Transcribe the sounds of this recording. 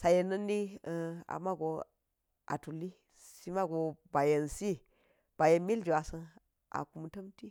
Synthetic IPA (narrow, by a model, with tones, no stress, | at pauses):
sa˨je˨nːə˦nːi˦˨a̰˨ma˦ɡo˨ | ʔa̰˨tu˨lːi˦ | si˦ma˦ɡo˨ba˨je˨nsi˦ | b̥a˨je˨nmi˦ld͡ʒi˨wa˨sə˦ | ʔa̰˨ku˨m˨tə˦mti˦